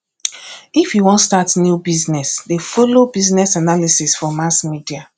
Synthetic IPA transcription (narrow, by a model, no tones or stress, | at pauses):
ifjiwɔ̃ntstatnjubiznɛsdefolobiznɛsanalisisfɔmasmidia